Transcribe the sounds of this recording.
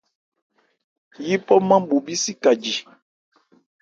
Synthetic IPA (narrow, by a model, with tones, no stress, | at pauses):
ji˦pɔ˦mã˦ɓu˨bi˦si˦ka˨d͡ʒi˨